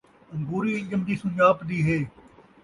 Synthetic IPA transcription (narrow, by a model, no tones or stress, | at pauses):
ɐŋɡuːɾiːɪ̃ɲd͡ʒəmd͡ʒiːsʊɲd͡ʒaːpd̪iːɦeː